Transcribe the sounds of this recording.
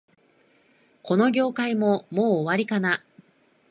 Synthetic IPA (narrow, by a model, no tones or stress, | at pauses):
ko̞no̞ɡʲo̞ːkaimo̞mo̞ːβaɾʲikana